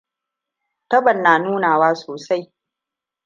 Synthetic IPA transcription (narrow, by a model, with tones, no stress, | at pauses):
tɐ˦bɐ˨nːaː˨nuː˦naː˨waː˦soː˨sa˦j